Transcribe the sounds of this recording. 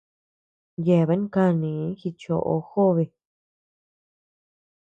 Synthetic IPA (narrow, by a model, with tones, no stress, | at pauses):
je˧˨βe˧˦ŋ˦ka˦˧nĩ˨˦xi˧t͡ʃo̰˧ʔo̰˧xo˦βe˧